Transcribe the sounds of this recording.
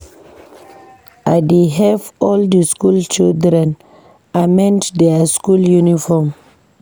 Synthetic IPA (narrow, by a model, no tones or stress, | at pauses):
ʔadeɦɛvɔldiskult͡ʃildɾɛ̃n | amɛ̃nddeaskuljunifɔm